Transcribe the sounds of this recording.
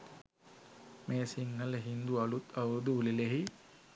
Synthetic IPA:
meːsiŋːələɦind̪uɐlut̪ʰawd̪uulileɦi

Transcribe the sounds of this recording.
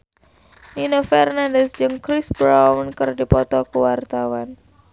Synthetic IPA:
inəfɛrnandəsd͡ʒɨŋkɾisbɾawənkərdipɔt̪ɔkuwart̪awan

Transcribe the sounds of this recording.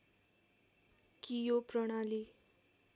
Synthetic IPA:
kijoprʌɽ̃ali

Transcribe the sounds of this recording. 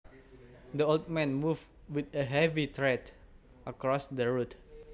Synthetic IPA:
dəold̚mɛ̃nmuv | wit̪əɦɛvit̪ɹɛt̪ | ʔəkɾɔsdəɹut̪̚

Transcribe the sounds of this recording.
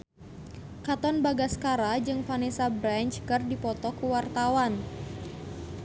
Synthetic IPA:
kat̪ɔnbaɡaskaɾad͡ʒɨŋfanisabɾant͡ʃkɨrdipɔt̪ɔkuwart̪awan

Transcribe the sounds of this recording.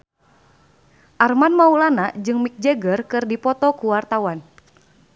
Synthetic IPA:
ʔarmanmaulanad͡ʒɨŋmik̚d͡ʒɛɡərkɨrdipɔt̪ɔkuwart̪awan

